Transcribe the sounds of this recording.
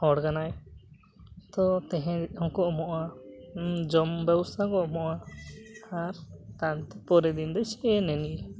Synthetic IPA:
hɔɽɡanaj | t̪ɔt̪ɛɦɛ̃hɔ̃kɔʔmɔʔa | d͡ʒɔmbɛwsakɔʔmɔʔa | aɾt̪ant̪ɛ̥pɔɾɛd̪ind̪ɛsɛʔɛnɛniʔ

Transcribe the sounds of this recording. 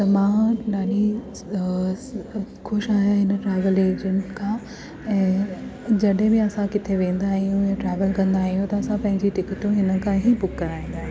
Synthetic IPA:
t̪ɐmãːnaːni | xʊʃaːɦijaɦɪnəʈɾɛːʋəleːd͡ʑə̃nkʰãː | ɛ̃ː | d͡ʑɐɗɦɪ̃bɪɐsãkɪt̪ʰeʋẽːnd̪aːɦijũjaʈɾɛːʋəlkɐ̃nd̪aːɦijũt̪ɐɐsãpɐ̃ɦɪ̃ɲd͡ʑiʈɪkɪʈũɦɪnə̆kʰãɦibʊkːɐɾaːĩːn̆d̪aːɦẽ

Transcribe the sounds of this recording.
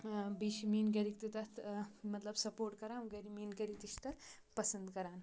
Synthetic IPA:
biɕmiːnɡeɾikt̪it̪at̪mɐt̪ləbsɐpoɾʈkɐɾaɡɐɾiminɡɐɾik̚t̪ist̪ɐɾ | pɐsənd̪kɐɾan

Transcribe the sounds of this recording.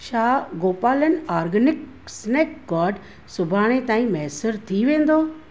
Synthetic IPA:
ʃaːɡoːpaːlənaːɾɡənɪk | sneːkɡaːɖ | sʊbʱaːɽ̃ẽt̪aːĩmɛːsəɾt̪ʰiʋẽːn̆d̪oː

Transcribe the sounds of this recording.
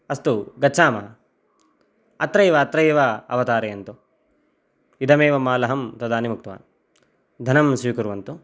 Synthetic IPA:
ɐst̪uɡɐːt͡ʃʰːaːmɐ | ɐt̪ɾɐjʋɐːt̪ɾɐjʋɐɐʋɐt̪aːɾeɐnt̪u | id̪ʱɐmeːʋɐmaːlɐɦɐmt̪ɐd̪aːnimuk̚t̪ʋa̰ːn | d̪ʱɐnɐmsikuɾʋɐnt̪u

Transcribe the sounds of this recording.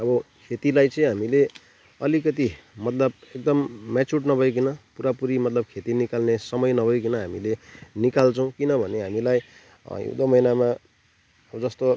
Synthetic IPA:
ʌbʌkʰet̪ilajt͡sʌĩɦamile | ʌlikʌt̪imʌt̪lʌbek̚d̪ʌmːat͡suʈnʌbʱʌjk̬inʌpuɾapuɾimʌt̪lʌb̚kʰet̪inikalnesʌmʌjnʌbʱʌjk̬inʌɦamilenikalt͡sʰʌw̃kinʌbʱʌneɦamilaj | ḭd̪ʌmʌjnama | ʌbʌd͡zʌst̪o

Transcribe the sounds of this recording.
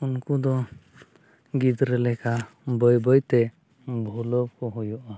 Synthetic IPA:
unkud̪ɔ | ɡid̪ɾɛlɛka | bəjbəjt̪ɛ | bʱɔlɔb̚kɔɦɔjɔʔa

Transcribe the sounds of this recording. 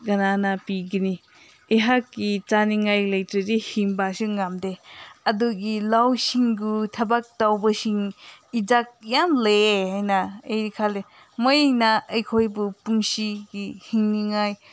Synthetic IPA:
ɡɐnanapiɡini | eɦakːit͡ʃaniŋajlɐjtɾidihiŋbasɯŋamdeɐduɡilawsiŋɡutʰɐbak̚tawbɐsiŋid͡ʒak̚jamleɦajnaejikʰale | mojnaɐjkʰojbupuŋsiɡihiŋniŋaj

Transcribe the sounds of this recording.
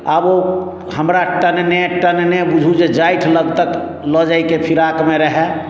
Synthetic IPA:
əbo | həmɾaʈənneʈənnebud͡ʒʱud͡ʒed͡ʒaiʈʰləɡt̪ək | lɔd͡ʒaikepʰiɾakmeɾəɦɛ

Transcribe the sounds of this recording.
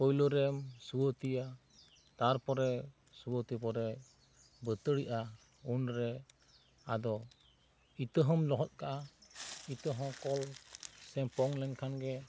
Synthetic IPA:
pɔjlɔɾɛmsuwɔt̪ija | t̪aɾpɔɾɛ | suwɔt̪ipɔɾɛ | bət̪əɽiʔa | unɾɛ | ad̪ɔ | it̪əɦɔmlɔɦɔt̪̚kaʔait̪əɦɔ̃kɔlsɛmpɔŋlɛŋkʰanɡɛ

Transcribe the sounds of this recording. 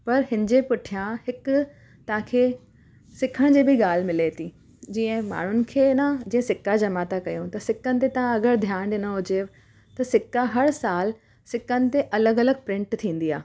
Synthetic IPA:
pɐɾɦɪnɪd͡ʑepʊʈʰijãhɪk | t̪ɐɦãkʰeː | sɪkʰəɽ̃d͡ʑiːbʱɪɠaːl̤mɪlet̪ʰiː | d͡ʑiːə̃ɦma̰ːɳ̤ʊnɪ̆kʰeːnad͡ʑĩːə̃sɪkad͡ʑɐmaːt̪akɐjõt̪ɐsɪkənɪ̆t̪̬et̪ɐɦãɐɡəɾd̪ʱjaːɽ̃ɖɪnəɦʊd͡ʑe | t̪ɐsɪkaɦɐɽsaːl | sɪkənɪ̆t̪eʔɐləɡɐləɡ̚pɾɪ̃ɳʈt̪ʰĩːn̆d̪ia̰ː

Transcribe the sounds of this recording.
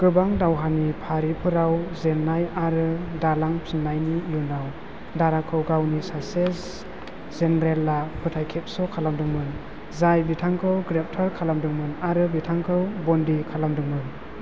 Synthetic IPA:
ɡ̥ɯbaŋdawɦanipʰaɾipʰɯɾawzenːajaɾɯdalaŋpʰɯnːajnijunaw | daɾakʰɯwɡawnisases | zenɾelːapʰɯtʰajkʰep̚sɔkʰalamdɯŋmɯn | zajbitʰaŋkʰɯwɡɾep̚tʰaɾkʰalamdɯŋmɯnaɾɯbitʰaŋkʰɯwbɔndikʰalamdɯŋmɯn

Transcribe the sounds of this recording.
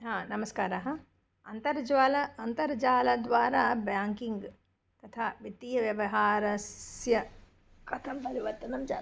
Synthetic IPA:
ɦãːnɐməskaːɾɐɦɐ̃ | ɐnt̪ɐɾd͡ʒʋaːlɐɐnt̪ɐɾd͡ʒaːlad̪ʋaːɾabjãːŋkɪ̃ŋɡ | t̪ɐt̪ʰaːʋɪt̪ːijɐʋjɐʋɐɦaːɾɐsjɐ | kɐt̪ʰɐmpɐɾiʋɐɾt̪ɐnɐmd͡ʒa̰ː

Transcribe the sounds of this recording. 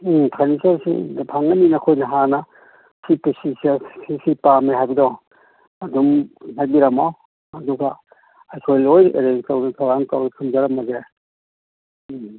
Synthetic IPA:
tʰanisoɾsḭnpʰaŋɐninɐkʰojnɐɦanɐ | sʰipesissisipamiɦajbidaw | ɐdumnajbiɾɐmaw | ɐduɡa | ajkʰojlojḛɾenstawnɐkʰawaŋkawnikʰɯmd͡ʒɐɾɐmɐze

